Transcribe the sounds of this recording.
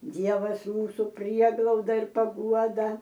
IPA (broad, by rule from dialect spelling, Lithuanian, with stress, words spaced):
ˈdʲiɛʋɐsʲˈjuːsʊ ˈpʲrʲiɛɡlˠɐʊdɐ ɪr pɐˈɡuɔdɐ